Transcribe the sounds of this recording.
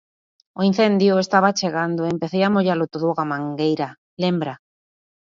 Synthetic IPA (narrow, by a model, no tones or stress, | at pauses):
oin̟θend̪joest̪aβat͡ʃeɣand̪oempeθejamoʎalot̪oðoɣamãŋɡejɾa | lembɾa